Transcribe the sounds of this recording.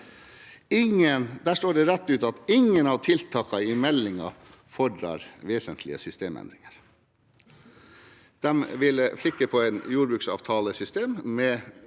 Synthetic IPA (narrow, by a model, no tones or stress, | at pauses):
ɪŋənd̪æːʂʈoːɖɛɾɛt̪ːʉːt̪ɑt̪ɪŋənɑːʋt̪ʰɪlt̪ʰɑːkɑɪmɛlːɪŋɑ̰ | fɔɖɾɑ̰ːɾʋeːsənt̪ʰlɪəsʏst̪eːmɛ̰nd̪ɾɪŋəɾ | d̪̥ɛmʋɪləflɪkːəpʰɔæɪnjuːɾbʉːksɑ̰ːʋt̪ʰɑːləsʏst̪eːmmɛ